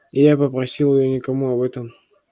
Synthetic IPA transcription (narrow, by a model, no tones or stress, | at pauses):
ijapəpɾɐsʲilˠɪjonʲɪkɐmuɐbɛt̪əm